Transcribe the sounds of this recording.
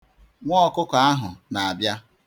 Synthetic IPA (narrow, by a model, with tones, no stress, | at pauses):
ŋʷɔ˦ɔ˨kʊ˦ka˨a˦ɦʊ˨na˨a˨bja˦